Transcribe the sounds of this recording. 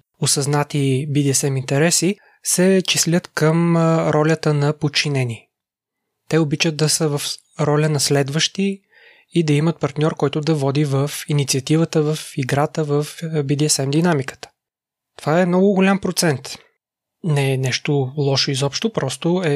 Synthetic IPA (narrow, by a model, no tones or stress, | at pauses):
osɐznat̪ibid̪iɛsɛmint̪ɛɾɛsi | sɛt͡ʃislʲət̪kəmɾʔɔlʲət̪ənɐpot͡ʃinɛni | t̪ɛobit͡ʃəd̪̚d̪ɐsəvəf | ɾɔlʲənɐslɛd̪vəʃt̪i | id̪ɐimət̪̚pɐɾt̪nʲɔɾkɔjt̪ʊd̪ɐvɔd̪ivəfinit̪siɐt̪ivət̪əvəfiɡɾat̪əvəfbid̪iɛsɛmd̪inamikə̥t̪ə̥ | t̪ovaɛmnɔɡʊɡʊlʲampɾot̪sɛnt̪ | nɛnɛʃt̪olˠɔʃoizɔpʃt̪opɾɔst̪oɛ